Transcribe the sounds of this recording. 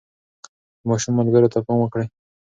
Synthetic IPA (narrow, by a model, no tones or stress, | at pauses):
mɑʃumːalɡaɾot̪apɑmwəkɽe